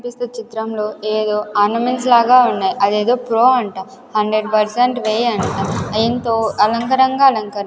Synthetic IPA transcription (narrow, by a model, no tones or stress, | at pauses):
pist̪eːt͡ʃit̪ɾɐmlo̞ːeːd̪oːaːnɐmenslaːɡaːunːaːjiʔɐd̪eːd̪oːpɾoːɐɳʈaː | hɐɳɖɾeɖpɐɾseɳʈʋeːɐɳʈaːɐjɐnt̪oːɐlɐŋkɐɾɐŋɡaːɐlɐŋkɐɾɐ